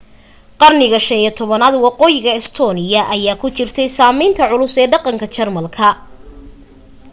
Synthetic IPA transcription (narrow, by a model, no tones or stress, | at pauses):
qɑrnɪɣɐʃɐnijt̪ʰɔβɐnaːd̪wɑqɔːjɪɣɐɛst̪ʰɔːnɪjɐʔɐjaːkʰʊt͡ʃɪrt̪ʰɛjsaːmɛjnt̪ʰɐʕʊlʊsɛːɖɑqɑŋkʰɐt͡ʃɐrmɐlkʰɐ